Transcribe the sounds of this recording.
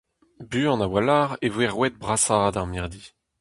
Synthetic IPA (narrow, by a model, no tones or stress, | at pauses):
byːɑ̃nawalaːʁevwɛʁwɛt̪̚bʁasad̪aʁmɛʁd̪i